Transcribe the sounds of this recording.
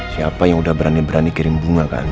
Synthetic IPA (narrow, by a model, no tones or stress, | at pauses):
siapajãudabiɾanibiɾanikeɾẽŋbuŋaka̰